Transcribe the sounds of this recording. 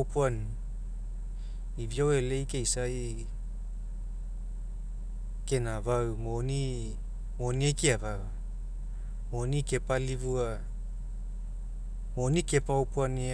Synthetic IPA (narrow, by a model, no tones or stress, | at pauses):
puan | iviowele̞jkejsaj | ke̞navawmoni | moniejkiavawa | moonike̞palivua | moːnike̞pawpuani